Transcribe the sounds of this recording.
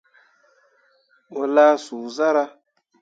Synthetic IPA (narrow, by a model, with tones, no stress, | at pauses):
wo˨la˦su˨za˦ɾa˦